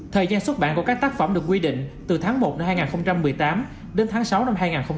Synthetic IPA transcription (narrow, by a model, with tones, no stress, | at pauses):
t̪ʰəː˨˩jzaː˧nswt̚ɓa̰ː˧˨nkɔ˨˧˦kaː˦˥k̚t̪aː˦˥k̚fə˧˩mɗɨ˨˩ək̬̚ːwi˧ɗḭ̈˧˨ŋ̟t̪ɨ˨˩t̪ʰaː˨˦ŋmo˨˩t̚na˧mhaː˧jŋaː˨˩nxə˧wŋ͡mt͡ɕa˧mːɨ˨˩əjt̪aː˨˦m | ɗe˨˦nt̪ʰaː˨˦ŋsa˨˦wna˧mɦaː˧jŋaː˨˩nxə˧ŋ͡m